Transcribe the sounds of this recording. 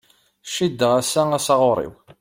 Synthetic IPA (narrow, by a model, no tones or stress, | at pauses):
ʃid̪ːəʁæsææsɑʁoɾˤḭw